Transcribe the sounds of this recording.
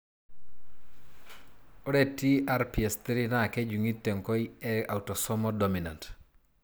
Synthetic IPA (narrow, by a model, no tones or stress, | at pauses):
ɔdetiaɾpiestiɾinaked͡ʒuŋitːeŋkojɛawtɔsɔmɔdominant